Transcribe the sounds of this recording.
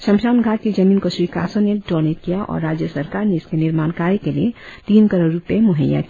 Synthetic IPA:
ʃɐ̃mʃaːʊnɡʱaːt̪̚kid͡ʒɐmiːnkoswiːkaːsõneɖɔːneːt̪kijaʔɔ̰ːɾːaːd͡ʒjəsəɾkaːɾneɪskenɪɾmaːnkaːɾjikeliet̪iːnkɐɾoːɾupjemʊɦə̰ja̰k

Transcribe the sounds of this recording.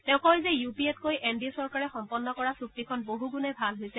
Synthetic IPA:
tɛʊ̃kɔjzɛjupiɛtkojʔendisɔɹkaɹɛxɔmpɔnːɔkɔɹasuk̚tikʰɔnboɦuɡunɛbʱalɦojsɛ

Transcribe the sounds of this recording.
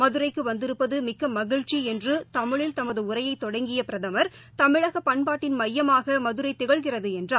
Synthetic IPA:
mɐðɯɾɐɪkːɯʋɐnd̪ɪɾɯpːɐðɯmɪkːɐmːɐɣɪɻt͡ʃːiɛndrɯt̪ɐmɪɭɪlt̪ɐmɐðɯʊrɐjɐɪt̪ːɔɽɐŋɡɪjɐpɪɾɐðɐmɐɾt̪ɐmɪɻɐɣɐpɐɳpaːʈːɪnmɐjːɐmaːɣɐmɐðɯɾɐɪt̪ːɪɣɐɭɣɪrɐðɯɛndraː

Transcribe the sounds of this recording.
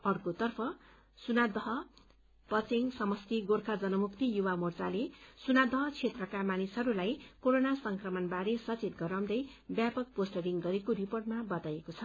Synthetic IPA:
ʌrkot̪ʌrpʰʌ | sunad̪ʌɦʌ | pʌt͡seŋsʌmʌst̪iɡorkʰad͡zʌnʌmukt̪ijuwamort͡salesunad̪ʌɦʌt͡sʰet̪rʌkamanisɦʌɾulajkoɾonasʌŋkrʌmʌnbaɾesʌt͡sit̪̚ɡʌɾaw̃d̪ʌj | bjapʌk̚posʈʌriŋɡʌɾekoɾiporʈmabʌt̪ajekot͡sʰʌ

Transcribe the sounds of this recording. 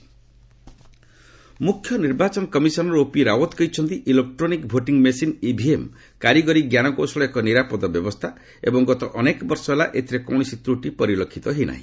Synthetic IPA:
mukʰːjɔniɾbat͡ʃɔnɔkɔmisɔnɔɾopiɾawɔt̪kɔjt͡ʃʰɔnt̪iʔilek̚ʈɾonikbʱoʈiŋmesinibʱiem | kaɾiɡɔɾiɡjanɔkosɔɭɔekɔniɾapɔd̪ɔbjɔbɔst̪ʰa | ḛbɔŋɡɔt̪ɔʔɔnekbɔɾsɔbelaʔet̪ʰiɾekɔwñisit̪ɾuʈipɔɾilokʰːit̪ɔɦina̰ɦḭ̃

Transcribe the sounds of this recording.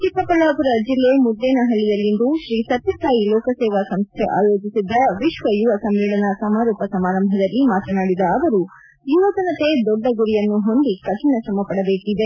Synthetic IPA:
t̪ipːɐpɐlaːpuɾɐd͡ʒilːemud̪ːeːnɐɦɐɭijɐlːind̪uʃɾiːsɐt̪jɐsaːjilɔːkɐsɛːʋasɐmst̪ʰḛʔaːjoːd͡ʒisid̪ːɐʋiʃʋɐjuʋɐsɐmʋiːɭɐnɐsɐmaːɾuːpɐsɐmaːɾɐmbʱɐd̪ɐlːimaːt̪ɐnaːɽid̪ɐːʋɐɾu | juʋɐd͡ʒ̪ɐnɐt̪e̞d̪ɔɖːɐɡuɾijɐnːuɦo̞nd̪ikɐʈɐnɐʃɐmɐpɐɽɐbeːʈid̪e

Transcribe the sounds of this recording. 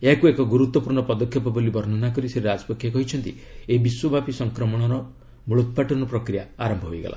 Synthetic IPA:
eɦakuekɔɡuɾut̪wɔpuɾɳɔpɔd̪ɔkʰːjɔpɔbolibʱɔɾnɔnakɔɾiseɾɾad͡ʒɔ̥pɔkʰjɔkɔɦit͡ʃʰɔnt̪i | ebiswɔbʱapisɔŋkɾɔmɔɽ̃ɔɾɔ | buɭut̪̚paʈɔnɔpɾɔkɾijaaɾɔmbʱɔɦo̰jɡḛla̰

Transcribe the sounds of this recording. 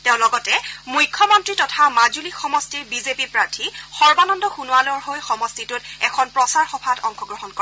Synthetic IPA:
teʊ̃lɔɡɔtɛmujkʰːɔmɔntɹitɔtʰamazulixɔmɔstiɹbizepipɹaɹtʰixɔɹbanɔndɔxunualɔɹɦojxɔmɔstitʊtɛkʰɔnpɹɔsaɹxɔpʰatɔŋxɔɡɹɔɦɔnkɔɛ

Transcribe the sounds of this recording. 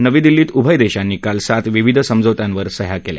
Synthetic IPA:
nəʋĩd̪ilːiːt̪ubʱəjd̪eɕanːiːkalsat̪ʋiʋid̪ʱsəmd͡zəʋt̪jãnʋəɾsəɦjakelja̰

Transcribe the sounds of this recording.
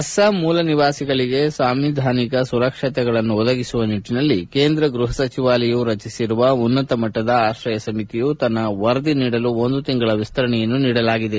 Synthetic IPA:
ɐsɐmuːlɐniʋaːsiɡɐɭiɡe̞saːmʋid̪ʱaːnikɐsuɾɐkʂɐt̪ɛɡɐɭɐnːuɔd̪ɐɡisuʋɐniʈːinɐlːikeːnd̪ɾɐɡɾuɦɐsɐt͡ʃiʋaːlɐjuɾɐt͡ʃisiɾuʋɐunːɐt̪ɐmɐʈːɐd̪ɐaːʃɾɐjɐsɐmit̪ijut̪ɐnːɐʋɐɾd̪iniːɽɐluond̪ut̪iŋɡɐɭɐʋist̪ɐɾɐɳɛjɐnːuniːɽɐlaːɡid̪e̞

